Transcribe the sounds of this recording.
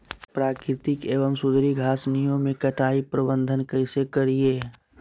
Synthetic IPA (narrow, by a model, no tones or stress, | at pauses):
pɾaːkɾɪt̪ɪkeːʋəmsʊd̪ɾiɡʱaːsnijõmẽkɐʈʰaːipɾəbə̃nd̪ʱənkəɪsekəɾieː